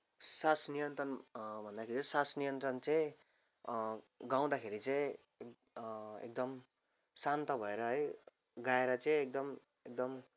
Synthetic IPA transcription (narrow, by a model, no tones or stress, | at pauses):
sasnijʌnt̪rʌnbʱʌnd̪akʰeɾit͡ssasnijʌnt̪rʌnt͡saĩ | ɡaw̃d̪akʰeɾit͡saĩ | ḛk̚d̪ʌm | sant̪ʌbʱʌeɾʌɦʌj | ɡaeɾʌt͡sʌĩek̚d̪ʌm | ek̚d̪ʌm